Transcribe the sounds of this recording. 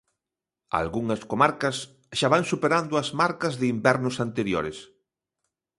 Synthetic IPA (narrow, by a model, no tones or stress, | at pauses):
a̰lɣuŋɐskomaɾkɐs | ʃaβaŋsupeɾand̪ʊɐzmaɾkɐzðɪimbɛɾnʊsant̪eɾjoɾes